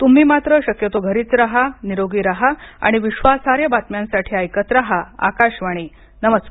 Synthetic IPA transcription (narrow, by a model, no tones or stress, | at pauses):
t̪um̤iːmat̪ɾəɕəkjət̪oɡʱəɾiːt͡sɾaɦaniɾoɡiːɾaɦaa̰ɽ̃iʋiɕʋasaɾjəbat̪mjãnsaʈʰiːajkət̪ɾaɦaa̰kaɕʋaɽ̃i | nəməsk